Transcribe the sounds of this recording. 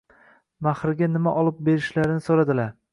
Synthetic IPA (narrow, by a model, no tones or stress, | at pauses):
mahɾɪɡʲanɪmaʔɒlˠɪp̚be̞ɾɪʃlaɾɪnɪsoɾad̪ɪlaɾ